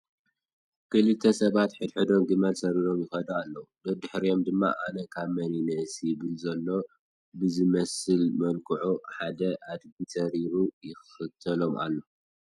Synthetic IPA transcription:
kɨlɨt̪ʰːɐsɐβat̪ħɨd̪ħɨd̪o̞mɡɨmɐlsɐɾiɾo̞mjɪxɐd̪ɐalːɐud̪ɐd̪ɨħɾijo̞md̪ɨmːa̰ʔanɐkʰaβmɐninɐsjɪβɨlzɐlːo̞ | bɨzɨmɐsɨlmɐlkʰɨʕuħad̪ɐʔad̪ɡisɐɾiɾujɪxxɨt̪ʰɐlo̞mʔa̰lːo̞

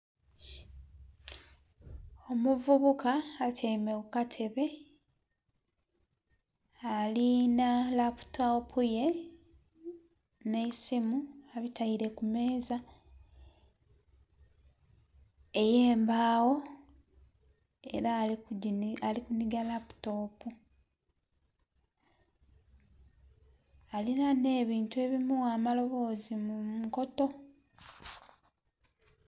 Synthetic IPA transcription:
o̞muvuβukaːtʰemeɣukatʰe̞βe̞ | alinalapu̥taopʰuje̞ | nesimuaβitaiɾe̞kume̞ːza | e̞jeːmbaːwo̞ | e̞̰ɾa | alikuniɡalapu̥to̞ːpu | alinane̞ːβiːntue̞βimuwaːmalo̞βo̞ːzimumuko̞to̞

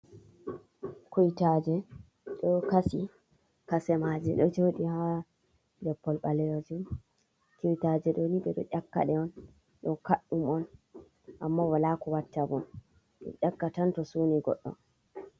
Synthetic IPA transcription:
kujitad͡ʒɛ | ɗɔkasi | kasɛmad͡ʒɛɗɔd͡ʒoɗiha | lɛpːɔlɓalɛjod͡ʒum | kiwtad͡ʒɛɗɔniɓɛɗɔʔakːa̰ɗɛɔn | ɗɔnkaɗːumɔn | ʔamːawalakɔwatːabɔn | ɗɔ̰ʔakːatantɔsuniɡɔ̰ɗːɔ̰n

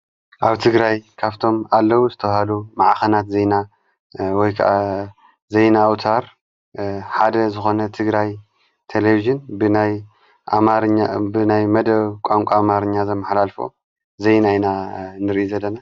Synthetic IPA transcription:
ʔaβt̪ʰɨɡɾajkʰaβt̪ʰo̞malːɐwuzɨt̪ʰɐβhalumaʕxɐnat̪zejna | wɔjkʰɐ̰ʔa | zejnawt̪ʰaɾ | ħad̪ɐzɨxo̞nɐt̪ʰɨɡɾaj | t̪ʰeleviʒɨnbɨnaj | amaɾɲːabɨnajmɐd̪ɐβkʷʼaŋkʷʼamaɾɨɲːazɐmːɐħlalfo̞̰ | zejnajnanɨɾʔizɐlːɐna

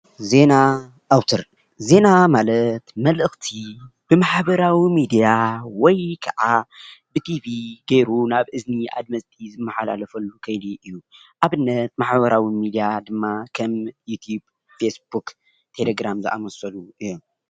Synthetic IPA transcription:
ze̞na | ʔawt̪ʰɐɾ | ze̞namalɐt̪mɐlʔɨxt̪ʰib̥ɨmaħbɐɾawimid̪ijawɔjkʰɐʕabɨt̪ʰiviɡejɾunaβʔɨzniʔa̰d̪̚mɐzt̪ʰizɨmːɐħala̰lɐfɐlːukʰɐjliʔɨjːuʔaβɨnːɐt̪̚maħβɐɾawimid̪ijad̪ɨmːakʰɐmjut̪ʰub | fesbuk | t̪ʰe̞leɡɾamzɨ̰ʔa̰mɐsɐluʔɨjːom

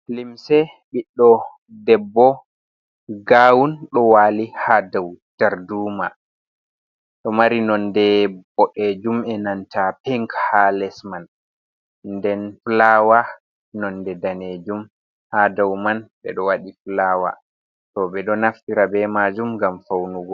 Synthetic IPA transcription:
limsɛ | ɓiɗːɔ | dɛbːɔ | ɡaːwunɗɔwaːlihadawtaɾduma | ɗɔmaɾinɔndɛbɔɗed͡ʒumɛnantapɛŋkhalɛsman | ndɛnflawa | nɔndɛdaned͡ʒum | hadawmanɓɛ̰ɗɔwaɗiflaːwa̰ | tɔbɛɗɔnaftiɾabɛmad͡ʒumɡamfawnuɡɔ

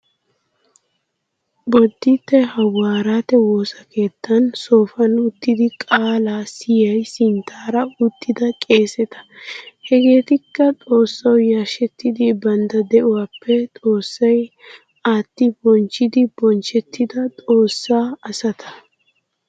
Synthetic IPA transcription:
bɔd̪ːɪt̪ːɛhɐwːaːɾaːt̪ɛwoːsɐke̞ːt̪ːɐnso̞ːfɐnʊt̪ːɪd̪ɪkʼaːlaːsɪjɐjsɪnt̪ʰaːɾɐʊt̪ːɪd̪ɐkʼe̞ːsɛt̪ɐ̥hɛɡe̞ːt̪ɪkːɐt̪ʼo̞ːsːɐwjaːʃɛt̪ːɪd̪ɪbɐnd̪ɐd̪ɛʔʊwaːpːɛt̪ʼo̞ːsːɐj | aːt̪ːɪbɔnt͡ʃːɪd̪ɪbɔnt͡ʃɛt̪ːɪd̪ɐt̪ʼo̞ːsːaːɐsɐt̪ʰɐ̥

